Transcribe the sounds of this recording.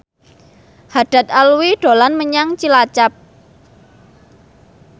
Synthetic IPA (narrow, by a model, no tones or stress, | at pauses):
haɖ̥a̤t̪̚aluwiɖ̥o̤lanməɲaŋt͡ʃilat͡ʃap̚